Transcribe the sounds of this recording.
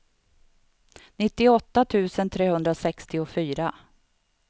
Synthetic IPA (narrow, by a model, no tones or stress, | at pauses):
nɪt̪ːɪɔt̪ːat̪ʰʉ̟ːsənt̪ʰɾeːhɵnd̪ɾasɛkst̪ɪʊfyːɾa